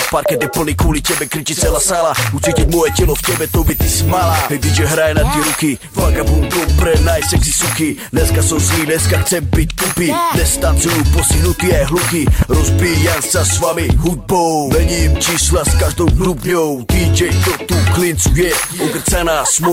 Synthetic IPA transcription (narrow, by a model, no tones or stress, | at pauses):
paɾkɛd̪jɛpl̩niːkwɔlicɛbɛkɾit͡ʃit͡sɛlasaːlaut͡siːcicmɔjɛcɛlɔfcɛbɛt̪ɔbɛt̪ismalaːɛd̪it͡ʃɛɦɾajɛnat̪ɪɛɾuki | vakabɔlt̪ɔwpɾɛnajsɛksi̥suki | nɛskasɔmsniːmnɛskaxt͡sɛmpic̚t̪upid̪ɛst̪ant͡sujupɔsiɦnut̪iajɦlukiɾɔzbijamsasvamiɦud̪̚bɔwmɛɲimt͡ʃiːslaskaʒd̪ɔwkɾupɲɔwt̪iːd͡ʒɛjt̪ɔt̪uklint͡sujɛɔɡrt͡sanaːsmɔ